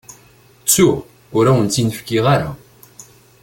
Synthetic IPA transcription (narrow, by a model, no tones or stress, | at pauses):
t͡sːuʁ | ʊɾawənt͡s̪ːinəfkiʁaɾa